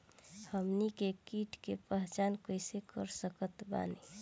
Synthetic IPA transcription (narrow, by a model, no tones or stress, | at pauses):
həmnikekiʈkepəɦt͡ʃankojsekə̰ɾsəkət̪ba̰ne